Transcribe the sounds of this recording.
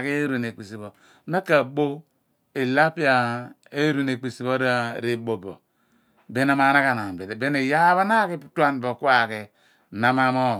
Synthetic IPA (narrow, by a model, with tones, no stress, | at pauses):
ke˦ɾu˨ne˨k͡pi˨si˨bo˨˦ | me˦ka˨bo˦ | e˨la˦pi˦a˨ | e˦ɾu˦˨ne˨k͡pi˨si˨bo˦ɾɾe˦˨bo˨bo̰˨ | be˨˦na˦ma˨˦na˦ka˨na˨be˨e˨be˦ne˨ja˦βa˦na˦ki˦tu˦a˦n˨bo˨ku˦a˨ke˨ | na˦ma˦mo˦˨